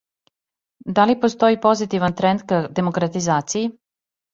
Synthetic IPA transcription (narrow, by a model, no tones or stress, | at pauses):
d̪alipost̪o̞ipo̞zit̪iʋant̪ɾɛnd̪kad̪emokɾat̪izaːt̪siji